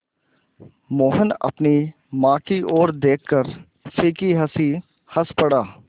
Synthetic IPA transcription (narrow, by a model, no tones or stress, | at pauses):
moːɦənɐ̰pni | mãːkiʔoːɾd̪eːkʰːəɾ | siːkiɦɐsi | həspɐɽaː